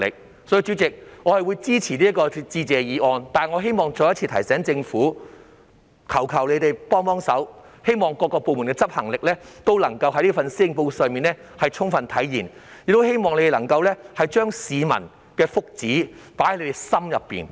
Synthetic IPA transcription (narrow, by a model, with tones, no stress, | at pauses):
lɪ̰˨k̚ | sɔː˨˥ji˧t͡ʃy˨˥t͡sɪ˨k̚ŋɔː˨˧hɐ˨jwu˨˧jt͡siː˥t͡sʰiː˨˩liː˥ɐ˥kɔː˧t͡siː˧t͡sɛː˧jiː˨˧˥ʔɔː˧nt̪aː˨ŋɔː˨˧ɦe˥jmɔː˨ŋt͡so˨˧jɐ˥tt͡sʰiː˧t̪ʰɐ˨˩jsɛː˨˥ŋt͡sɪ˧ŋfuː˨˥ | kʰɐ˨˩wkʰɐ˨˩wle˨˧jt̪e˨jpɔː˥ŋpɔː˥ŋsɐ˨˥w | he˥jmɔː˨ŋkɔː˧kːɔː˧po˨wmuː˨˩nkɛː˧t͡sɐ˥p̚hɐ˨˩ŋlɪ˨k̚lɛː˥t̪o˥wlɐ˨˩ŋkɐ˧whɐ˨˥jliː˥fɐ˨nsiː˥ɪ˧ŋpo˧wsœː˨ŋmiː˨nlɛ˥hɐ˨jt͡ʃʰʊ˥ŋfɐ˨nt̪ʰɐ˨˥jjiː˨˩njɪ˨k̚t̪o˥whe˥jmɔː˨ŋle˧t̪e˨lɐ˨˩ŋkɐ˧wlɛː˥hɐ˨jt͡ʃœː˥ŋsiː˨˧mɐ̰˨˩n | kɛː˧fʊ˥k̚t͡siː˨˥paː˨˥hle˧t̪e˨˩jsɐ˥mjɐ˨pːḭː˨n